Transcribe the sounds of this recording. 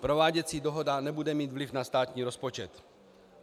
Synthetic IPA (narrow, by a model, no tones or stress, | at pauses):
pɾovaːɟɛt͡siːdoɦo̞danɛbudɛmiːt̪vlɪfnast̪aːt̪ɲiːɾo̞spot͡ʃɛt̪